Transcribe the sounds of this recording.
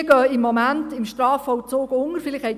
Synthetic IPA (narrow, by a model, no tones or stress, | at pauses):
ɡ̥œːɪmːɔmæntɪmʃtrɑːfɔwt͡soːɡʊŋərfɪlɪχhɛɪj